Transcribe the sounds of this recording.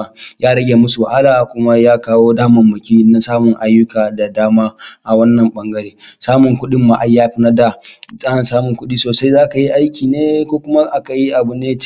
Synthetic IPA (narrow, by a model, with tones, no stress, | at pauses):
jaː˦ɾɐ˦ɡʲe˨mʊ˦su˨ʔa˦laː˨kʷʊ˦ma˦jaː˦kaː˦woː˦daː˦mɐ˨mːʊ˨kʲiː˦na˦saː˦mʊ˨ŋʔa˦jːʊ˦kaː˨da˨daː˦maː˦ʔa˨wɐ˦nːɐ˨mɓɐ˦ŋɡɐ˦ɾeː˦saː˦mʊ˨ŋkʷʊ˦ɗɪ˦mːa˨ʔa˦jːaː˦ɸɪ˦nɐ˦da˨sʼɐ˦ha˨nsaː˦mʊ˨ŋkʷʊ˦ɗiː˦soː˨sa˦jzaː˦ka˨ji˦ʔa˦jkʲiː˨neː˦kʷoː˦kʷʊ˦ma˦ʔa˦ka˨ji˦ʔa˨bu˨neː˦